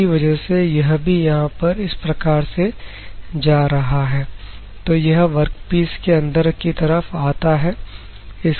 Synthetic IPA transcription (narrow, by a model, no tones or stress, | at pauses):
iʋɐd͡ʒəɦsejɐɦbʱijɐɦãpɐɾɪspɾɐkaːɾse | d͡ʒaːɾɐɦaɦɛː | t̪oːjɐɦʋɐɾkpiːskeɐ̃nd̪əɾkit̪ɐɾəfaːt̪aɦɛː | ɪs